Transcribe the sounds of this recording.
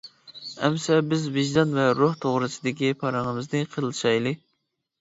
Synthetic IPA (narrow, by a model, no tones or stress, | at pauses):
ɛmsɛbɪzvɪʒd̪ɑnvɛɾoht̪ʰoʁɾɨsɨd̪ɪkʲipʰɑɾɨŋəmɨznɨqʰəɾlˠʃɑjlˠɨ